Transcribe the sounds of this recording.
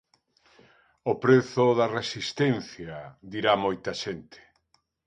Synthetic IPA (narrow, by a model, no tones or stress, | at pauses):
opɾeθʊðɐresist̪enθjad̪iɾamojt̪ɐʃent̪e̥